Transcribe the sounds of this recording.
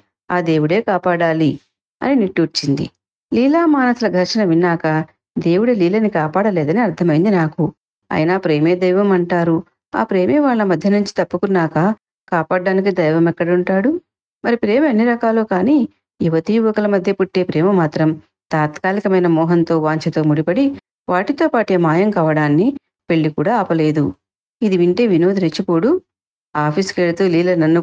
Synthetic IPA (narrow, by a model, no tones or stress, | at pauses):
aːd̪e̞ːwuɽe̞ːkaːpaːɽaːli | ɐ̰niniʈːut͡ʃːind̪ḭ | liːlaːmaːnɐsulɐɡʱɐɾʂɐnɐʋinːaːkɐ | d̪e̞ːwuɽeliːlɐnikaːpaːɽɐleːd̪ɐniɐɾt̪ʰɐmɐjind̪inaːku | ɐ̰jɐnaːpɾe̞ːme̞ːd̪ɐjʋɐmɐɳʈaːɾu | a̰ːpɾe̞ːme̞ːʋaːɭːɐmɐd̪ʱjɐnuɲt͡ʃi̥t̪ɐpːɐkunːaːkɐ | kaːpaːɖːaːnik̬id̪ɐjʋɐmɛkːɐɽɐuɳʈaːɽu | mɐɾipɾe̞ːmɐɐnːiɾɐkaːloːkaːniː | juʋɐt̪ijuʋɐkɐlɐmɐd̪ʱjɐpuʈːe̞ːpɾeːmɐmaːt̪ɾɐm | t̪aːt̪kaːlikɐmɐjnɐmɔːɦɐnt̪o̞ːʋaːɲt͡ʃɐt̪o̞ːmuɽipɐɽi | ʋaːʈit̪o̞ːpaːʈeːmaːjɐmkaːʋɐɽaːnːi | pe̞ɭːikuːɽaːaːpɐle̞ːd̪u | id̪iʋiɳʈe̞ːʋino̞ːd̪iɾet͡ʃːipo̞ːɽu | aːpʰiskeɽt̪uːliːlɐnɐnːu